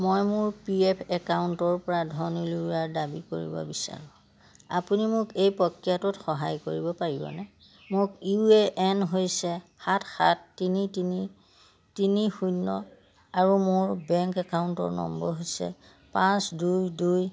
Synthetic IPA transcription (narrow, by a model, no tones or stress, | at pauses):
mojmʊɹpiepʰɛkawntɔɹpɔɹadʱɔnuluuaɹdabiko̰ɹḭbɔ̰bisa̰ɹɔ̃ | apunimʊkejpɔkːjatʊtxɔɦajkoɹibɔpaɹibɔ̰nɛ | mʊkueʔɛnɦojsɛxatxa̰tːinitini | tinixunːɔ | aɹumʊɹbɛŋkɛkauntɔ̰ɹnɔ̰mbɔɹɦojsɛ̰ | pãsdujduj